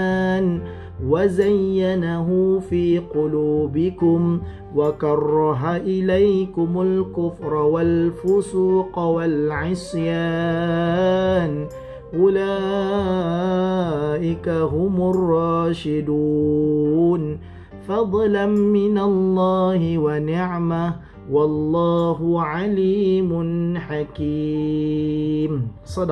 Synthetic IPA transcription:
n | wazajːanaɦʊfiːqʊluːbɪkʊm | wakɑrˤːɑɦaʔɪlajkʊmʊlkʊfɾˤɑwalfʊsuːqwalʕɪsˤja | n | ʔʊlaː | ʔɪkaɦʊmʊrˤːɑːʃɪd̪u | n | fɑd̪ˤlanmɪnalˤːɑːhɪwanɪʕma | wɑlˤːɑːɦʊʕaliːmʊnħakiː | m | sˤɑd̪

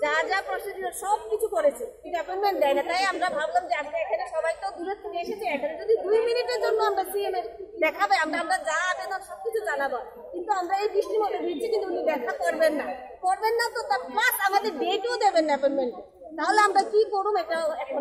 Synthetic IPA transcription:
d͡ʑad͡ʑapɾɔʃed̪iɾaɾʃɔb̚kit͡ɕʰukoɾet͡ɕʰikit̪ɛpenmeɳʈd̪ɛjnat̪ajamɾabʱablamd͡ʑeaskeekʰaneʃɔbajt̪od̪uɦaikeʃet̪ʰeekʰaned͡ʑod̪id̪ujminiʈeɾd͡ʑonːoamɾasiemeɾd̪ɛkʰabeamɾaamɾad͡ʑabenaɾʃɔb̚kit͡ɕʰud͡ʑanabo | kint̪uamɾaejd̪ɾiʃʈimot̪od̪itt͡ɕʰikint̪uunid̪ɛkʰakɔɾbenːa | koɾbenːat̪ot̪aɾpasamad̪eɾɖeʈeod̪ebenɖɛpenmeɳʈ | t̪aɦoleamɾakikoɾumeʈaoɛkʰono

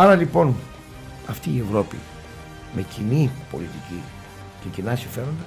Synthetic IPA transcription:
ɐɾɐlipo̞n | ɐft̪iːe̞vɾo̞pḭ | me̞cinipo̞̰lit̪ici | ce̞cinɐsiɱfe̞ɾo̞nd̪ɐ

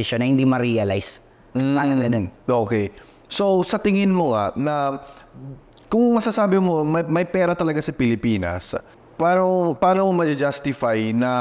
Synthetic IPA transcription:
ɪʃonːɐhɪnd̪imɐɾiɐla̰js | aŋɐŋɡɐnonʔoːkɛj | sowsɐt̪ɪŋɪnmoŋanɐ | kʊŋmɐsasaːbɪmomɐmɐjpɛːɾɐt̪ɐlɐɡasɐpɪlɪpiːnɐ̰s | paːɾɐpaːnomomɐd͡ʒɐd͡ʒast̪ɪfajnɐ

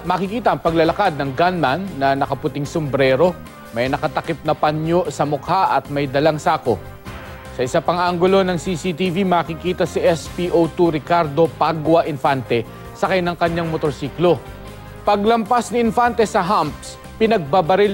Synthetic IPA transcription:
mɐkɪkiːt̪ɐʔɐŋpɐɡlɐlɐkad̪̚nɐŋɡanmanːɐnɐkɐpʊt̪ɪŋsombɾɛɾo̞ | mɐjnɐkɐt̪ɐkɪp̚nɐpɐɲjoʔsɐmʊkhaʔɐt̪̚mɐjd̪ɐlaŋsaːko̞̰ | sɐʔɪsapɐŋʔaŋɡʊlo̞nɐŋsisit̪ivimɐːkɪkiːt̪ɐsiʔɛspiːʔowt̪uɾɪkaɾd̪o̞paɡwɐʔɪnfant̪ɛ | sɐkɐjnɐŋkɐɲːaŋmot̪oɾsiːklo̞ | pɐɡlɐmpasnɪɪnfant̪ɛsɐɦamp̚s | pɪnɐɡ̚babɐɾɪ

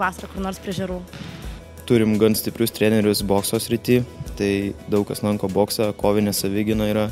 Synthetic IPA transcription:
ʋɑːsɐɾɐkʊɾnoːɾspʲɾʲɪʒʲɛɾuː | t̪ʊɾʲɪmɡɐnsʲt̪ʲɪpʲɾʲʊst̪ʲɾʲæːnʲɛɾʲʊsboːksoːsʲɾʲɪt̪ʲiːt̪ɐɪd̪ɐʊkɐslˠɐŋkoːboːksɐkoːʋʲɪnʲɛsɐʋʲɪɡʲɪnoːiːɾɐ

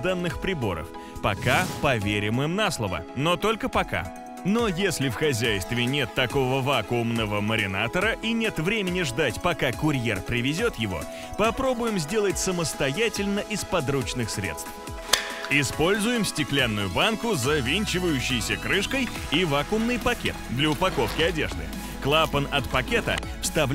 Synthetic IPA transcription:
d̪anːɨxpɾʲɪbo̞̰ɾə̰f | pɐkapɐvʲeɾʲɪmɨmnaslˠəvə̰not̪o̞lʲkəpɐka̰ | no̞jesʲlʲɪfxɐzʲæjst̪vʲɪnʲe̞t̪ːɐko̞vəvakʊːmnəvəməɾʲɪna̰t̪əɾəʔinʲe̞t̪vɾʲemʲɪnʲɪʐd̪atʲpɐkakʊɾʲje̞rpɾʲɪvʲɪzʲo̞t̪jɪvo̞̰ | pɐpɾo̞bʊjɪmzʲdʲe̞lˠət̚ʲsəməst̪ɐjætʲɪlʲnəʔɪspɐd̪ɾut͡ɕnɨxsʲɾʲḛt̪st̪ff | ɪspo̞lʲzʊjɪmsʲtʲɪklʲanːʊjʊbankʊzɐvʲinʲt͡ɕɪvəjʉɕːɪjsʲəkɾɨʂkəj | ivakʊmnɨjpɐkʲḛt̪d̪lʲəʊpɐko̞fkʲɪɐdʲe̞̰ʐd̪ɨ̰ | klˠapənɐt̪pɐkʲet̪ə̰ | fst̪ɐvlʲ

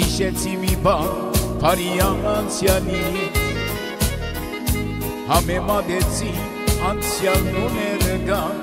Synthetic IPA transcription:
iʃɛt͡sʰimibɑn | pʰɑɾijɑnɑnt͡sʰjɑni | hɑmɛmɑd̪ɛt͡sʰin | ɑnt͡sʰjɑlɔnɛɾəɡɑn

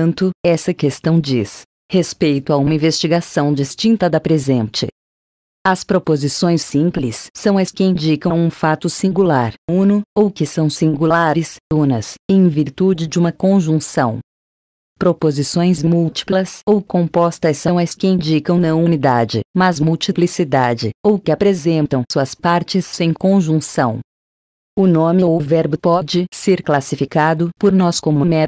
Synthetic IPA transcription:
nt̪ʊɛsɐkest̪ɐ̃w̃d͡ʒis | hespejt̪ʊɐũmɐĩvest͡ʃiɡasɐ̃w̃d͡ʒist͡ʃĩnt̪ɐd̪ɐpɾezẽnt͡ʃɪ̰ | ɐspɾopozisõj̃sːĩplɪsːɐ̃w̃ɐskɪĩnd͡ʒikɐ̃w̃ũfat̪ʊsĩŋɡulaɾũnʊowkɪsɐ̃w̃sĩŋɡulaɾɪsunɐsẽj̃viɾt̪ud͡ʒɪd͡ʒɪũmɐkõʒũsɐ̃w̃ | pɾopozisõj̃zmuwt͡ʃi̥plɐsowkõpɔst̪ɐsɐ̃w̃ɐskɪĩd͡ʒikɐ̃w̃nɐũnid̪ad͡ʒɪ̰mɐzmuwt͡ʃiplisid̪ad͡ʒɪ̰owkɪapɾezẽnt̪ɐ̃w̃suɐspaɾt͡ʃɪsːẽj̃kõʒũsɐ̰̃w̃ | ʊnõmɪowvɛɾbʊpɔd͡ʒɪseɾklasifikad̪ʊpoɾnɔskõmʊmɛ

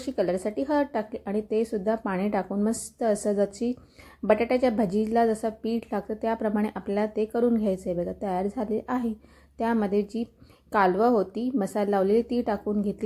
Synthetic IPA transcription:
ɕiːkələɾsaʈiːɦəʈakliːʔaɽ̃it̪esud̪ʱːapaɽ̃iʈakuːnməst̪əːsəd͡zəɕiː | bəʈaʈat͡ɕjabʱəd͡ʑid͡ʑlad͡zəsəpiːʈlaɡ̚t̪ət̪japɾəmaɽ̃eʔapljalat̪ekəɾuːnɡʱjajt͡səɦebəɡat̪əjaɾd͡zʱaleʔaɦe | t̪jaməd̪ʱːjed͡ʑiː | kalʋəɦot̪iːməsalːaʋleliːt̪iːʈakuːnɡʱet̪liː

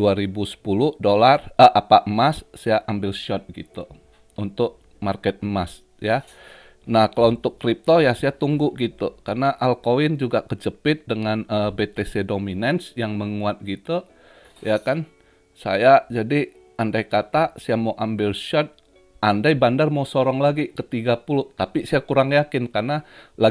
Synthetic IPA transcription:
uaɾibusə̥pulʊhdolarəʔapaʔəmassajaʔambɪlʃɔt̪̚ɡḭt̪ṵ | unt̪ʊk̚ | markɛt̪̚mas | ja | nahkalawunt̪ʊkːɾip̚t̪ojasajat̪uŋɡʊʔɡit̪ukarnaʔalkowɪnd͡ʒuɡakəd͡ʒəpɪt̪̚dəŋanəbet̪esedominɛnsjaŋməŋuat̪̚ɡit̪u | jakan | sa̰jad͡ʒadi | andajkat̪aʔsajamawʔambɪlʃɔt̪̚ | ʔandajbandarmawsɔɾɔŋlaɡikət̪iɡapulʊht̪apisajakuɾaŋjakɪnkarnala

